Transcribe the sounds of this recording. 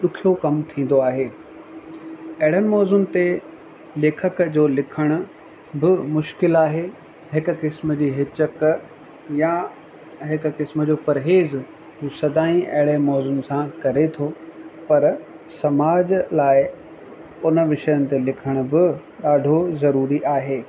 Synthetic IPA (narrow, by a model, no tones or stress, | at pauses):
ɗʊkʰijokɐmt̪ʰĩːn̆d̪oaːɦeː | ɐɦɪɽ̤ənɪ̆mɔːzʊmt̪e | leːkʰəkd͡ʑoːlɪkʰəɽ̃ʊ̆ | bɪmʊʃkɪlaːɦe | ɦɪkʊ̆kɪsməd͡ʑiːɦɪt͡ɕək | ja | ɦɪkʊ̆kɪsmə̆d͡ʑoːpɐɾɦeːz | ɦuːsɐd̪aːĩʔɐɦɪɽemɔːzʊmsãkɐɾet̪ʰopɐɾ | sɐmaːd͡ʑlaːɪ | ʊnəʋɪʃəjənɪ̆t̪elɪkʰəɽ̃ʊ̆bɪ | ɗaːɖʱozɐɾuːɾiʔaːɦeː